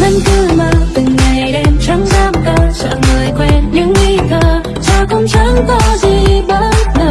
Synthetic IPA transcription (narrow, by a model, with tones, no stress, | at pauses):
za˧nkɨ˧˥məː˧˩t̪ɨ˨˩ŋːa˨˩jɗɛ˧msa˨˦ŋzaː˧˥m̚k̪ə˧˩sə̰ː˧˨məː˨˩jkwɛ˧˩nɲɨ̰˧˥ŋwi˧kəː˧˩ | t͡ɕa˧kʊ̰˧˥ŋ͡msa˧˦˥ŋkɔ˧˦zi˨˩ɓəː˧˦˥t̚nə˨˧˩